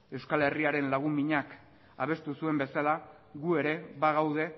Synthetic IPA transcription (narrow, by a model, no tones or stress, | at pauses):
e̞wskale̞riaɾe̞nlaɣumiɲak | aβ̞e̞st̪usue̞mbe̞sala | ɣue̞ɾe̞βaɣ̞awð̞e̞